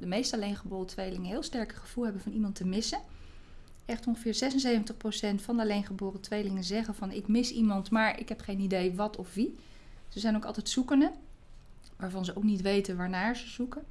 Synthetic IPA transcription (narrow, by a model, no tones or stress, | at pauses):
dəmejstalejnχəbʊːrətʋejlɪŋənɦɪːlˠstɛɹkəχəv̥ulˠɦɛbənvɑnimɑntəmɪsə | ɛχtɔnχəvɪːɹzɛsənsejvəntəχprowsɛntfɑndəalejnχəbʊːrətʋejlɪŋənzɛχənvɑnɪkmɪsimɑntmaːɹɪ̰kɦɛpχejnidejʋɑtɔfʋi | zəzɛjnowkɑlˠtɛjtsukəndə | ʋaːɹvɑnzəowknitʋejtənʋaːɹnaːɹzəz̥ukə